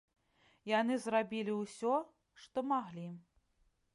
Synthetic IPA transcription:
janɨzrabʲilʲiwsʲɔ | ʂt̪ɔmaɣlʲi

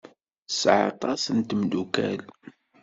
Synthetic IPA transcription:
sʕɑ̰t̪ˤɑsənt̪md̪ukæ̰l

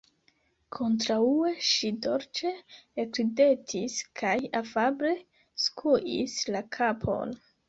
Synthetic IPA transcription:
kʰo̞ntɾaue̞ʃido̞ɾt͡ʃeːkɾide̞tʰiskʰajafabɾe̞ | skʰuʔḭslakʰapʰo̞̰n

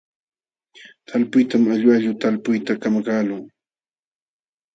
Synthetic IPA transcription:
t̪ʰalpʊjt̪amaʎwaʎʊt̪alpʊjt̪akamakaːlʊŋ

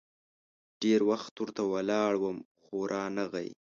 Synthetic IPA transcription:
ɖ̥eɾwaxt̪uɾt̪awalɑɽwəm | xoɾʔɑnaɣa̰j

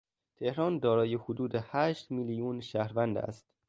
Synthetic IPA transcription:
t̪ʰehɾɒːnd̪ɒːɾɒːjehod̪uːd̪ehæːʃt̪miːlijuːnʃæhɾvænd̪æ̰st̪

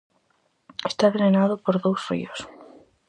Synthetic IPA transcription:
est̪aβenenaðopoɾðowsfḭos

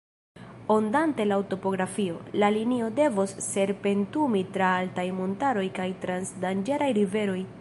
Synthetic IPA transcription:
ondante̞lawto̞po̞ɡɾafio̞lalinio̞de̞vosːe̞ɾpe̞ntumitɾaaltajmo̞ntaɾo̞jkajtɾansdand͡ʒeɾajɾive̞ɾo̞j

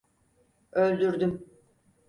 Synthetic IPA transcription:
ølʲd̪yɾd̪ym

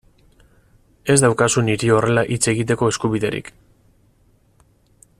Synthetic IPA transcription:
e̞zd̪awkasuniɾio̞re̞laʔit͡se̞ɣit̪̬e̞ko̞e̞skuβiðe̞ɾḭk

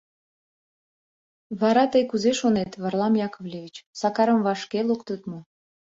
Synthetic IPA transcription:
βɑɾɑt̪əjkuzeʃonet̪βɑrlˠɑmjɑkovlʲevʲit͡ɕsɑkɑɾə̆mvɑʃkelukt̪ət̪mu

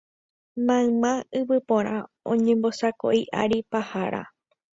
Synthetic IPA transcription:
mãmãɨβɨpõɾ̃ã | õɲẽmbo̞sako̰ʔiʔa̰ɾipahaɾa̰

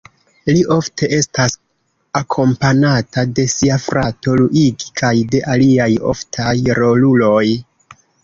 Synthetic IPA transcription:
liʔo̞ftʰe̞ʔe̞stas | akʰo̞mpanatade̞siafɾʔato̞luʔiɡikʰajde̞ʔaliajo̞̰ftʰajɾo̞lulo̞j

